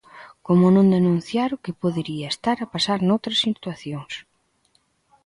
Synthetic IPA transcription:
komʊnõnd̪enũn̟θjaɾʊkɪpoðeɾiaest̪aɾapasaɾnowt̪ɾɐsit̪waθjoŋs

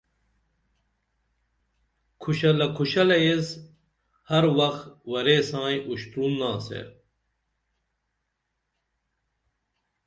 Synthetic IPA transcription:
kʰuɕɐlɐkʰuɕɐlɐjez | hɐɾwɐxwɐɾeːsãːjʔuɕt̪ɾunːaːsḛ

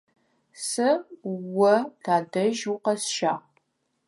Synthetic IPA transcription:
sɨwɐtʰaːdɐʒuqɐsʃa̰ːʁ

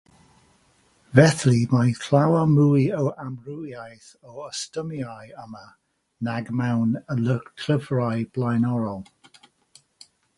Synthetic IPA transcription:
vɛθlimajθʰl̥awamuːjəwamrujajθɔwəstəmjajəmə | naɡmawnələɡtʰr̥əvɹajb̥lˠajnɔɾɔlˠ

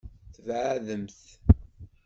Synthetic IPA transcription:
θəvʕðəmθ

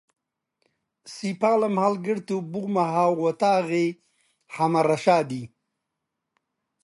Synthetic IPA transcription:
sipaːlamhalɡɪɽt̪ubuɣmaɦaːwwɐt̪aːɣe | hamaɾaʃaːd̪i

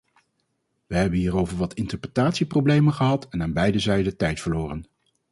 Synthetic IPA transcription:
ʋəɦɛbənɦiːɾowvəɹʋɑtʰɪntəɹprətaːtsiprowblejmənχəɦɑtɛnaːnbɛjdəzɛjdətɛjtfəɹloːrən

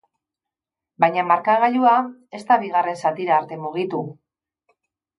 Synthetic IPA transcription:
bajɲamaɾkaɣ̞aʎuae̞st̪aβiɣ̞are̞nsat̪iɾaːɾt̪e̞muɣ̞it̪u

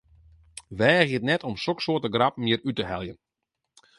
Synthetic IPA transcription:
ʋɛːɣiətnɛtɔmsoksoətəɡrapmiəɾytəhɛlˠjən

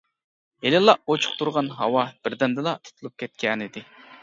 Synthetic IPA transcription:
elɪlˠːɑʔot͡ʃʰu̥q̚t̪uɾʁɑnɦɑwɑb̥ɪɾd̪ɛnd̪ɨlˠɑt̪ʰu̥t̪ʰulˠup̚kʲɛt̪̚kʲɛnɪd̪ɪ

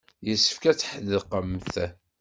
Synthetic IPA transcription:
jəsːə̥fkæt͡sːħəðəqəmθ

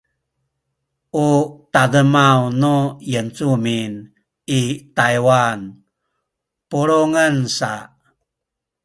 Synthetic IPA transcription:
ʔutadəmawnojənt͡sumin | itajwan | puɾoŋənsa

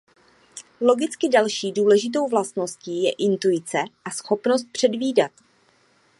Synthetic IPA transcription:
lo̞ɡɪt͡skɪdalʃiːduːlɛʒɪt̪̬o̞wvlast̪no̞sciːjɛʔɪnt̪uɪt͡sɛʔasxo̞pnos̬t̪̚pr̝̥ɛdviːdat̪

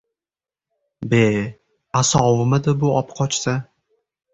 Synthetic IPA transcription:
be | asɒwɪmɪd̪ɪbʊɒpqʰɒt͡ʃsa

